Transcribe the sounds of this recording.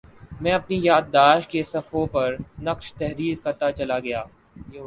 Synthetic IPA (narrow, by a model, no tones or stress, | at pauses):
mɛ̃ːɐpnijaːd̪ːaːʃkesɐfõpɐɾnɐqʃt̪ɛɦɾiːɾkɐt̪at͡ʃɐlaɡɐjaː